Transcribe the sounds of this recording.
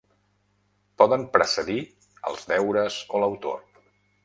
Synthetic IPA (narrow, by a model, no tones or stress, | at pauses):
pɔðəmpɾəsəði | ə̰lˠzðɛwɾəzoləwt̪o̰r